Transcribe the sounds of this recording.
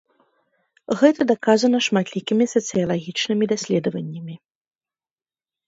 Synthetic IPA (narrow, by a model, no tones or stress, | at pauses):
ɣɛt̪ɐd̪akazɐnɐʂmat̪lʲikʲimʲisɐt̪sɨjɐlˠaɣʲit͡ʂnɨmʲid̪asʲlʲɛd̪ɐvɐnʲːɐmʲi